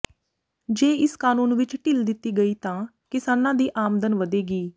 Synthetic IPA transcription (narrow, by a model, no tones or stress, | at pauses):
d͡ʒeːɪskaːnũːnʋɪt͡ʃʈɪld̪ɪt̪ːiːɡəiːt̪ãː | kɪsaːnãːd̪iːʔaːmd̪ənʋəd̪eːɡiː